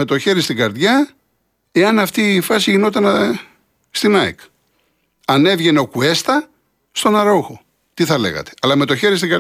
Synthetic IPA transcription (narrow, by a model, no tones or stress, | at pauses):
e̞t̪o̞çe̞ɾist̪iɡɐɾðʝɐ | e̞ɐnɐft̪iːfɐsiʝino̞t̪ɐn | st̪inɐḭk | ɐne̞vʝe̞neo̞kue̞st̪ɐ | st̪o̞nɐɾo̞xo | t̪iθɐle̞̰ɣɐ̰t̪e̥ɐlɐme̞t̪o̞çe̞ɾist̪iŋɡɐ